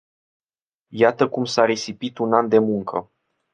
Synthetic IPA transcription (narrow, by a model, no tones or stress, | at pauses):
jat̪əkumsaɾe̞sipit̪unand̪e̞muŋkʰə